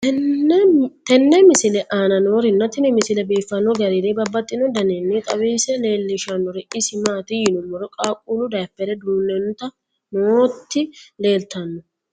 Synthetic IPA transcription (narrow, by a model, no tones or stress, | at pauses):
ɛ | t̪ɛnːɛmɪsɪlɛʔaːnɐnoːɾɪnːɐt̪ːɪnɪmɪsɪlɛbeːfːɐnːɔɡɐɾɪdebɐbːɐt̪ʼːɪnɔd̪ɐnɛnːiːt̪ʼɐwiːsɛle̞ːlːɪʃɐnːɔɾɛʔɪsɪmaːt̪ɪjɪnʊmːɔɾɔkʼaːkʼuːlʊd̪ɐjpːɛd̪ɛd̪uːnːɛnt̪ɐ | not̪ːɪle̞ːlt̪ɐnːɔ